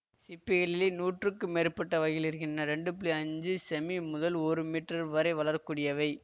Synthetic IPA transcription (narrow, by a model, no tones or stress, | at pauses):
sɪpːɪɣɐɭɪleːnuːʈrɯkːɯmeːɾpːɐʈːɐʋɐjɪlɪɾɯkɪndrɐɾɛɳɖɯpliɐɲd͡ʒɯsɛmimʊðɐloːɾɯmiːʈrɐɾʋɐɾɐɪʋɐlɐɾɐkuːɽɪjɐʋɐɪ